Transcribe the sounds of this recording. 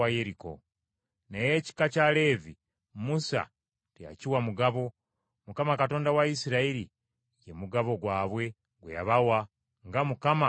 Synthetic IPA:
ajeɾiko̞̰ | neje̞ci̥kacale̞ːvi | musa̰ | teja̰ciwamuɡaβo̞ | mukamakato̞ːndawaisiɾaiɾi | je̞muɡaβo̞ɡwaːβwe̞ | ɡwḛja̰βawa | ŋɡamukama

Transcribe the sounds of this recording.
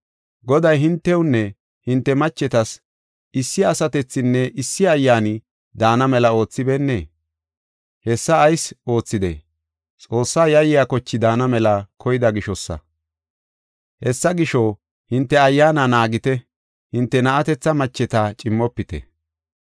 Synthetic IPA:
ɡɔd̪ɐjɦɪnt̪ːɛwʊnːɛ | hɪnt̪ːɛmɐt͡ʃːɛt̪ɐs | ɪsːɪɐsɐt̪ɛt͡sːɪnːɛʔɪsːɪɐjːaːnɪ | d̪aːnɐmɛlɐo̞ːt͡sːɪbɛnːe | hɛsːɐːjso̞ːt͡sːɪd̪ḛ | t͡sʼo̞ːsːaːjɐjɪjakɔt͡ʃːɪd̪aːnɐmɛlɐkʰɔjɪd̪ɐɡɪʃɔsːɐ̰ | hɛsːɐɡɪʃɔ | hɪnt̪ːɛɐjːaːnɐnaːɡɪt̪ɛ | hɪnt̪ːɛnɐʔɐt̪ɛt͡sːɐmɐt͡ʃːɛt̪at͡ʃʼɪmːɔpːɪt̪ɛ̰

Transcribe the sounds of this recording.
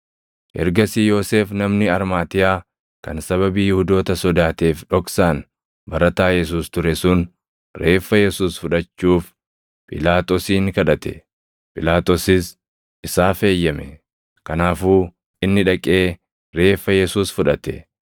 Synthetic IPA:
hɛ̰ɾɡɐsiːjo̞ːse̞ːfnɐmnɪɐɾmaːt̪ɪjaː | kɐnsɐβɐbiːjʊhʊd̪o̞ːt̪ɐsɔd̪aːt̪eːfᶑɔksaːn | bɐɾɐt̪aːjɛs̬uːst̪ʊɾɛsʊn | ɾe̞ːfːɐjɛsuːsfʊᶑɐt͡ʃːuːf | pʼɪ̰laːt̪ʼoːsiːŋkɐᶑɐt̪ɛ̰ | pʼɪlaːt̪ʼoːsɪs | ɪsaːfe̞ːjːɐmɛ | kɐnaːfuː | ʔɪnːɪᶑɐkʼe̞ː | ɾe̞ːfːɐjɛsuːsfʊᶑɐt̪ɛ

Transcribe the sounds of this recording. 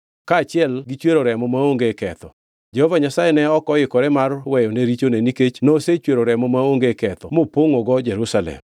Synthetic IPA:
kaːt͡ʃɪɛlɡit͡ʃweɾoɾɛmɔmaoŋɡekɛt̪ɔ | d͡ʒɛhɔvaɲasajenɛɔkɔjɪkɔɾɛmarwɛjɔneɾit͡ʃoneniket͡ʃnoset͡ʃweɾoɾɛmɔmaoŋɡekɛt̪ɔmopoŋɔɡɔd͡ʒeɾusalɛ̰m

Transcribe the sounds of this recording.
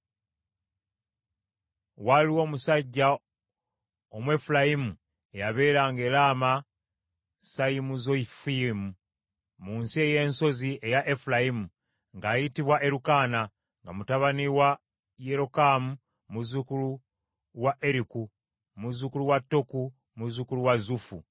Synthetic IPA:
waliwo̞ːmusaɟːa | o̞mwe̞fulajimu | e̞jaβe̞ːɾaːŋɡe̞ːlaːma | sajimuzo̞ifimu | muːnsie̞je̞ːnso̞zie̞jaʔe̞fulajimu | ŋɡaːjitiβwaʔe̞ɾukaːna | ŋɡamutaβaniwa | je̞ɾo̞kamu | muzukulu | waʔe̞ɾiku | muzukuluwatːo̞ku | muzukuluwazufu

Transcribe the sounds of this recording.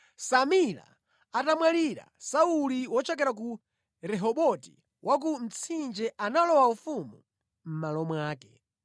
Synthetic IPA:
samila̰ | atamwaliɾa̰sauliwɔt͡ʃɔk̬ɛɾak̬u | ɾɛɦɔɓɔtḭ | wʔak̬um̩t͡sʰind͡ʒɛʔanalɔwaufumu | m̩malɔmwaːkɛ

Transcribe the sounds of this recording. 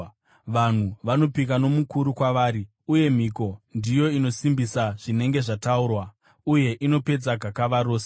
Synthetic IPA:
ʋan̤uʋano̞pik̬ano̞mukuɾukwaʋaːɾi | uje̞m̤iko̞ndijo̞ino̞simbisaʐ̥ine̞ŋɡe̞ʐataurwa | uje̞ʔino̞pe̞d͡zaɡʱakaʋaɾoːse

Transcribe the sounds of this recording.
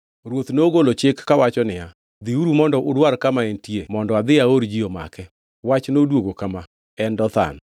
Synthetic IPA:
ɾwot̪noɡolot͡ʃɪkːawat͡ʃɔnɪa | d̪iuɾumɔndɔʔʊdwaɾkamaentjemɔndɔad̪ɪaoɾd͡ʒioma̰kɛ | wat͡ʃnodwoɡokama | ɛndɔt̪a̰n

